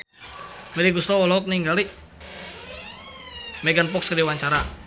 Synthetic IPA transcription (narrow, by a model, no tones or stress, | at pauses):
mɛliɡusɾɔwɔlɔk̚niŋɡaliʔ | mɛɡənpɔkskədiwaɲt͡ʃaɾa